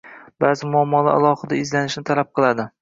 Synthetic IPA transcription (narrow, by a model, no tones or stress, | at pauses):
b̥azɪmʊamːɒlaa̰lˠɒχɨd̪aɪzlanɪʃnɪt̪ʰalap̚qʰɨlˠad̪ɪ